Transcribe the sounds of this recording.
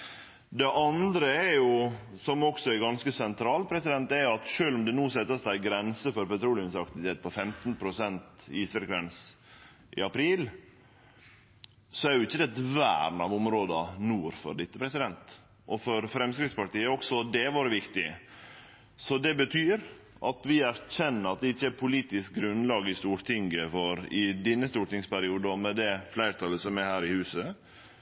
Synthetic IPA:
d̪ɛʔɑnd̪ɾəɛɾjʊ | sɔmɔksɔɛɾɡɑnskəsɛnt̪ʰɾɑːlt̪̚pʰɾɛsɪd̪ɛnt̪ɛɾjʊɑt̪ʂøːlɔmd̪ɛnuːsɛt̪ːəsæɪɡɾɛnsəfɔɾpɛt̪ʰɾuːlɪʉmsɑk̚t̪ɪʋɪt̪ʰeːt̪̚pʰɔfɛmt̪npʰɾʊsɛnt̪iːsʋɛɾɡɾɛns | ʔɪ̰ɑpʰɾiːl | sɔæɾjʊɪçːəd̪ɛt̪ʋæ̰ːɾn̩ɑʋʊmɾoːd̪ɑnuːɾfɔ̰ɾd̪ɪt̪ːəpʰɾɛsɪd̪ɛnt̪ | ʔɔfɔɾfɾɛmskɾɪt̪spɑʈ̪iːəɔksɔd̪ɛʋoːɾəʋɪkt̪ɪ | sɔd̪ɛbət̪ʰyːɾ | ʔɑt̪ʋɪæɾçɛnːəɾɑt̪̚d̪ɛɪçːəæɾpʰʊliːt̪ɪsk̚ɡɾʉnlɑːɡəɪst̪uːɾʈ̪ʰɪŋɡəfɔɾɪd̪ɛnːəst̪uːɾʈɪŋspæɾɪuːd̪əɔmɛd̪ɛflæɪɾt̪ʰɑlːəsɔmæhæːɾɪhʉːsə

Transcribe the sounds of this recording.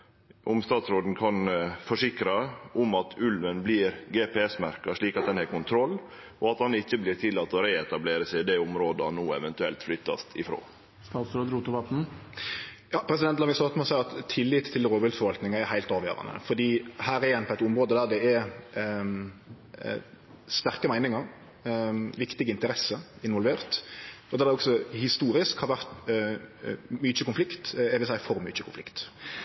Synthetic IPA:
ʔʊmst̪ɑːt̪sɾoːd̪n̩kʰɑnfɔʂɪkɾɑʔʊmɑt̪ʰʉlʋənbliɾɡeːpʰɛːɛsmæɾkɑʂɭiːkɑt̪̚d̪ɛnhɛːɾkʊnt̪ʰɾɔlː | ʔɔɑt̪hɑnɪçːəblɪɾt̪ʰɪlːɑːt̪ːɔɾeːɛt̪ɑbleːɾəsæɪd̪ɛʊmɾoːd̪əhɑnːoːɛʋɛnt̪ʉɛ̰lt̪flʏt̪ːɑ̰st̪ʰɪfɾo̰ː | st̪ɑːt̪sɾoːd̪ɾuːt̪ʊʋɑt̪n̩ | jɑːpʰɾɛs̬ɪd̪ɛnt̪lɑːʋɪsɑʁt̪mɔsæɪɑt̪ʰːɪlːɪt̪ʰːɪlɾoːʋʏlfɔɾʋɑlt̪nɪŋɑɛɾhæɪlt̪ɑːʋjø̰ːɾɑ̰nə̰fɔd̪iːhæːɾɪjɛnːpʰɔɛt̪ʊmɾoːd̪əd̪æːʁd̪ɛɛɾ | st̪æʁkəmæɪnɪŋɑɾ | ʋɪkt̪ɪɡəɪnt̪əɾɛsːəɪnʋɔlʋeːʁt̪ɔd̪ɛd̪ɛɔksɔhɪst̪uːɾɪskhɑɾʋæʁt̪ | myːt͡ʃəkʊnflɪkt̪ɛʋɪlsæɪfɔɾmy̰t͡ʃəkʰʊnflɪ̰kt̪

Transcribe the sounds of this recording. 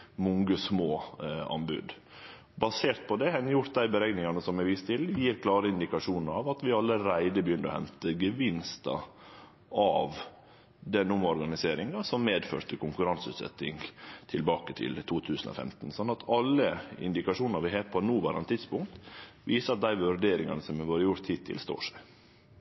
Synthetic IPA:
mɔŋɡəsmoːɑ̰nbʉ̰d̪ | bɑseːɾt̪̚pʰɔd̪ɛhɛnːəjʊɾt̪̚d̪æɪbəɾɛɡnɪŋɑnəsɔmɛɾʋiːst̪ɪljiːɾkʰlɑːɾəɪnd̪ɪkɑʂuːnəɾɑʋɑt̪ʋɪɑlːəɾæɪd̪əbjʏnːɾəɔ̰hɛ̰nt̪əɡəʋɪnst̪ɑ̰ | ɑːʋ | d̪ɛnːʊmɔɾɡɑnɪseːɾɪŋɑsɔmːeːd̪fø̰ːɾt̪əkʰʊŋkʉɾɑnsʉ̰ːt̪sɛ̰t̪ːɪŋt̪ʰɪlbɑːkət̪ʰɪ̰lt̪ʰuːt̪ʰʉːsən̩o̰fɛ̰mt̪n̩sɔnːɑt̪ʰɑlːəɪ̰nd̪ɪkɑʂuːnɑɾʋɪɦepʰɔɛnuːʋæ̰ɾɑ̰nt̪ʰɪd̪spʊŋkt̪ʋiːsəɾɑt̪̚d̪æɪʋʉɾɖeːɾɪŋɑ̰nəsɔmɛʋøːɾəjʊɾt̪hit̪ʰːɪ̰lst̪o̰ːʂæɪ

